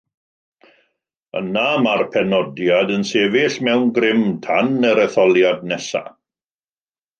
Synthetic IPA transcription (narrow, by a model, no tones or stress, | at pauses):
ə̰namarpʰɛnɔdjadənseːvɪɬmɛwnɡrɪmtʰanəɾəθɔlˠjad̚nɛsa̰